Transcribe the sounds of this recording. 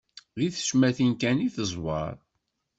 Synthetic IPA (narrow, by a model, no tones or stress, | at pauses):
ðiθə̥ʃmæθinkæniθəzˤwɑ̰ɾˤ